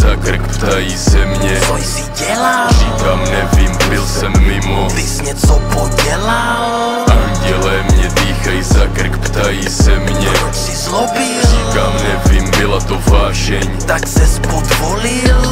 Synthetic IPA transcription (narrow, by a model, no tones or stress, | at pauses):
zakr̩kpt̪ajisɛmɲɛɔjsiɟɛlariːkamɲɛviːmbilsɛmːimɔd̪isɲɛt͡sɔpɔɟɛla | l | aɲɟɛlɛːmɲɛd̪iːxajizakr̩kpt̪ajisɛmɲɛɔsizlɔbilriːkamɲɛviːmbilat̪ɔvaːʃɛɲt̪aksɛspɔd̪ʋɔlil